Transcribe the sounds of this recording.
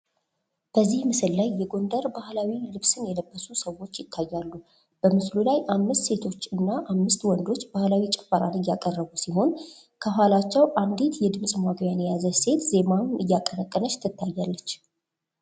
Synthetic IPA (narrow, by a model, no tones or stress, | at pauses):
b̥əzːihmɨsɨlːajːɛɡo̞nd̪əɾbahlawilɨβsɨnjɛləbːəsusəwo̞t͡ʃːjɪt̪ʰːajːalːu | b̥əmɨslulajʔamːɨst̪se̞t̪ʰo̞t͡ʃːɨnːaʔamːɨst̪wɔnd̪o̞t͡ʃːbahlawit͡ʃʼɛfːəɾa̰nɨjːakʼərːəβusiɦo̞n | kʰəɦʷalat͡ʃːɛwʔand̪et̪jɛd̪ɨmsʼmaɡwjanjazəse̞t̪ze̞mamɨjːakʼːənəkʼːənəʃt̪ʰːɨt̪ːajːalːət͡ʃː